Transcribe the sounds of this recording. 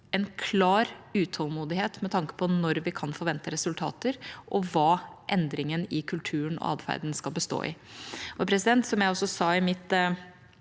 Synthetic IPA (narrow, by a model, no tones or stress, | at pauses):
ɛnkʰlɑːɾʉːt̪ʰɔlmuːd̪ɪheːt̪mɛt̪ʰɑŋkə̥pʰɔnɔɾʋɪkʰɑnfɔɾʋɛnt̪əɾɛsʉlt̪ʰɑ̰ːt̪əɾʔɔʋɑːʔɛnd̪ɾɪŋənɪkʰʉlt̪ʰʉːənɔ̰ɑ̰ːd̪fæ̰ɾd̪n̩skɑlˠbəst̪o̰ːɪ̰ʔɔpʰɾɛsɪd̪ɛnt̪sɔmjæɪɔsːɔsɑːɪmɪt̪